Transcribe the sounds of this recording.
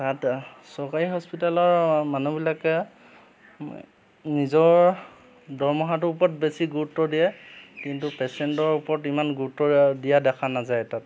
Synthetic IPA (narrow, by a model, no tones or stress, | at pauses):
tat | sɔkaɹiɦɔspitalɔɹmanubilakɛ | nizɔɹ | dɔɹmɔɦat̬ʊupɔt̚besiɡuɹutːɔdijɛkintupɛsɛntɔɹupɔɹɔtimanɡuɹtːɔdijadɛkʰanazajtat